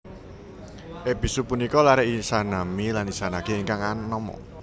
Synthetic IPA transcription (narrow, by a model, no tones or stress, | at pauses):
ʔepisupunikɔlaɾɛʔisanamilanisanakeːŋkaŋanɔmɔ̰